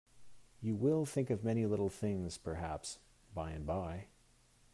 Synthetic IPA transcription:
jɨwɪlˠθɪ̃ŋkʌvmɛɾ̃ilɪɾl̩ˠθɪ̃ŋz̥pʰə˞ɦæps | b̥aɪɨ̃nbaɪ

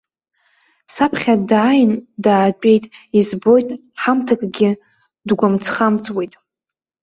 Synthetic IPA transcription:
sapʰχʲadaːjndaːt͡ʃʷʼe̞jtʼizbo̞jtʼ | ħamtʰakʼɡʲɪ | dɡʷamt͡sʰχamt͡sʼwe̞jtʼ

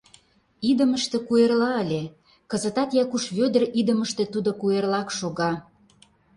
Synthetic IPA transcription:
id̪əməʃt̪ĕkuerlɑəlʲe | kə̆zə̆t̪ɑt̪jɑkuʃβød̪ərid̪əməʃt̪ĕt̪ud̪okuerlɑkʃoɣɑ

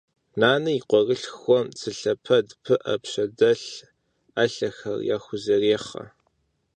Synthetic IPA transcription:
naːnɨjiqʷɔrɨɬxʷɔmt͡sʰɨɬɐpʰɐdpʰɨʔɐpɕɐdɐɬ | aɬɐxɐ̰rjaːxʷʊzɐreːχɐ̰

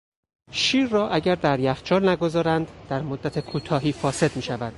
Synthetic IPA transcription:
ʃiːɾːɒːʔæɟæɾd̪æɾjæxt͡ʃʰɒːlnæɡo̞zɒːɾænd̪d̪æɾmod̪ːæt̪ʰe̞kʰuːt̪ʰɒːɦiːfɒːse̞d̪miːʃævæd̪̥

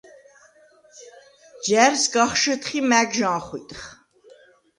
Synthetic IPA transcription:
d͡ʒæɾsɡaχʃət̪ʰχimæːɡʒaːχḭt̪ʼχ

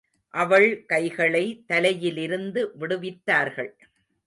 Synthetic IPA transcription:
ʔɐʋɐɭkɐɪɣɐɭɐɪt̪ɐlɐjɪlɪɾɯnd̪ɯʋɪɽɯʋɪt̪ːaːɾɣɐɭ

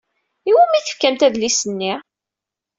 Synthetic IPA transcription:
iwæmiθə̥fkæmt̪æðlisənːi

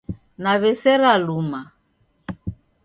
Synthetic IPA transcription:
naβɛsɛɾaluma

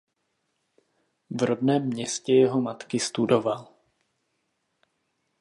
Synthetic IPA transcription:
vɾodnɛːmːɲɛscɛjɛɦo̞mat̪kɪst̪udo̞val

